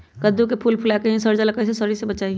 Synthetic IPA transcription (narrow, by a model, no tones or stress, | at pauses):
kəd̪ukepʰuːlpʰʊlakeɦĩsəɾd͡ʒələkəjsesəɾisebət͡ʃaːi